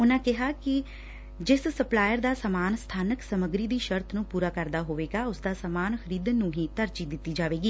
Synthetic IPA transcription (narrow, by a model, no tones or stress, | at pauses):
ʊnãːkɪɦaːkɪ | d͡ʒɪssəplaːjəɾd̪aːsəmaːnst̪ʰaːnəksəməɡɾiːd̪iːʃəɾt̪ʰnũːpuːɾaːkəɾd̪aːɦoːʋeːɡaːʊsd̪aːsəmaːnxəɾiːd̪ənːũːɦĩːt̪əɾt͡ʃiːd̪ɪt̪ːiːd͡ʒaːʋeːɡiː